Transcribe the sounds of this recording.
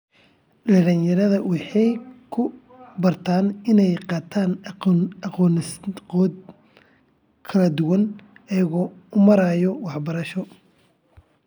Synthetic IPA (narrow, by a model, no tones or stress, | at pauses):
lɐɽɐnjɐɾɐðɐwɑħɑjkʰʊ | bɐrt̪ʰaːnɪnɛjqɑːt̪ʰaːnɐqɔːnɪsqɔːd̪ | kʰɐlɐd̪ʊwɐnɐjɐɣɔːʊmɐɾajɔwɑħbɐɾɐʃɔ